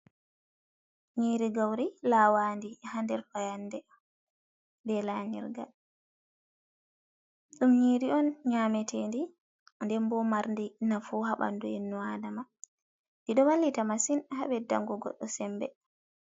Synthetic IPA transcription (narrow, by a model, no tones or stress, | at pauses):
ɲiːɾiɡawɾilaːwandihandɛɾfajanːdɛ | ndɛlaɲɛ̰ɾɡal | ɗumɲiːɾiɔnɲaːmɛtʰendi | ndɛmbɔmaɾndinafuhaɓa̰ndujinːuadama | diɗɔwalːitamasinhaɓɛda̰ŋɡɔɡɔ̰ɗːɔsɛmbɛ